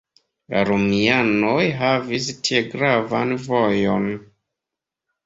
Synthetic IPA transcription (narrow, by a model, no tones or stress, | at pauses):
la̰ɾomianojɦavis̬tieɡɾavanvojon